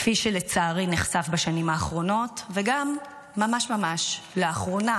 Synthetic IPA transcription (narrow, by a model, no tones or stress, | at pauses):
fiʃelet͡saːʁiniχsafbaʃanimhaːχʁo̞no̞tveɡamː | amaʃmamaʃleaχʁo̞na